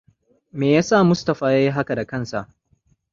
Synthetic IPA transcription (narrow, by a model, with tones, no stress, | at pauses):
meː˨jaː˦saː˦˨mʊ˦stɐ˨ɸaː˨jaː˦ji˦ɦa˦ka˨da˨kɐ˦nsa̰˨ʔ